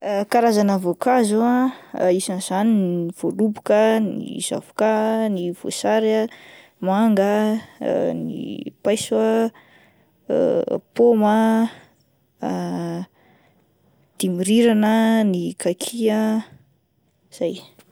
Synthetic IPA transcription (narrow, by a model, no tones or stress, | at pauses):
kaɾazanəvokazuaisanz̥aniniv̥olubukənḭz̥a̰vukaniv̥o̰saɾa | maŋɡə̰ | nḭpajswa | pomə | d̪̥imiɾiɾanənikakʰiə | z̥aj